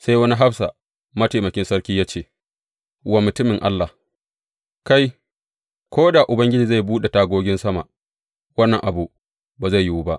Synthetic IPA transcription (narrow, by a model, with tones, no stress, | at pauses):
sa˦jwɐ˦ni˦ɦa˦ɸsa˨ | mɐ˦ta˨mɐ˨kʲɪ˦nsɐ˦ɾkʲiː˦jaː˦t͡ʃeː˦˨ | wa˨mʊ˨tʊ˦mɪ˨ŋʔa̰˦lːa˨ | ka˦j | kʰʷoː˦da˨ʔʊ˨bɐ˦ŋɡʲɪ˦d͡ʒiː˨za˦˨jbuː˦ɗe˨taː˦ɡʷoː˦ɡʲɪ˦nsɐ˦ma̰˨ʔ | wɐ˦nːɐ˨ŋʔa˨bu˨ | baː˨za˦˨jːu˦wu˦ba˦ʔ